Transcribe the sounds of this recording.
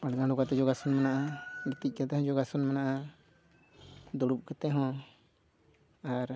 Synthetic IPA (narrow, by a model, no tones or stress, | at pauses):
aɽɡãɖɔɡat̪ɛd͡ʒɔɡasunmanaʔaɾit̪ic̚ˀkat̪ɛɦɔ̃d͡ʒɔɡasunmanaʔa | d̪ɔɽup̚kət̪ɛɦɔ̃ | aɾ